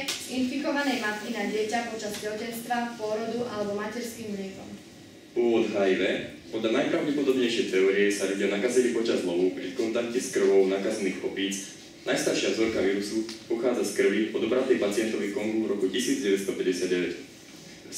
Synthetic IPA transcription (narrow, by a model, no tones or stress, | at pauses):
infikɔʋanɛjmat̪kinaɟɪɛcapɔt͡ʃazd͡ʑɛcɛnst̪ʋapʊɔɾɔd̪uʔalɛbɔmacɛɾskiːmmlɪɛkɔ̰m | ʊɔʋɔd̪ɦaiʋɛpɔd̪ʎanajpɾaʊɟɛpɔd̪ɔbɲɛjʃɛjt̪ɛɔːɾiɛsaʋɛɟɪanakazɛnipɔt͡ʃazɦlɔʋɔʊpɾikɔnt̪akcɛskr̩ʋɔʊnaːkazɛniːxɔpiːt͡s | najst̪aɾʃɪavzɔɾkaʋiːɾusupɔxaːd͡zaskr̩ʋiʔɔd̪ɔbɾat̪ɛjpat͡sɪɛnt̪ɔʋikɔŋɡuɾɔkucisiːd͡zɟɛʋɛd̪st̪ɔpɛɟɛsad̪̚ɟɛʋɛc